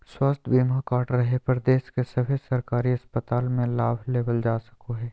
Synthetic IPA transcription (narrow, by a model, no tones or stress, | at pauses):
swast̪ʰbiːmakaːʈɾɐɦepɐɾd̪eːʃkesɐbʱesɐɾkaːɾiɐspət̪aːlmẽlaːbʱleːʋəld͡ʒaːsɐ̥koɦɛː